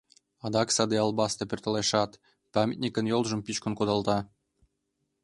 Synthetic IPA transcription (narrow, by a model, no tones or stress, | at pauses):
ɑd̪ɑksɑd̪eɑlˠbɑst̪ɤpʲørʲt̪ə̆leʃɑt̪ | pɑmʲet̪nʲikʲə̆njolˠʒə̆mpit͡ɕkŏnkod̪ɑlˠt̪ɑ